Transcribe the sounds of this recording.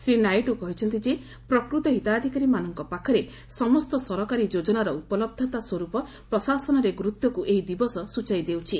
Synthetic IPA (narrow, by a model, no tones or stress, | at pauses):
sɾinajʈukɔɦit͡ʃʰɔnt̪id͡ʒe | pɾɔkɾut̪ɔɦit̪aːd̪ʱikaɾimanɔŋkɔpakʰɔɾe | sɔmɔst̪ɔsɔɾɔkaɾid͡ʒod͡ʒɔnaɾɔupɔlɔb̚d̪ʱɔt̪aswɔɾupɔ | pɾɔsasɔnɔɾeɡɾut̪jɔkuʔeɦid̪ibɔsɔsut͡ʃajd̪ewt͡ʃʰi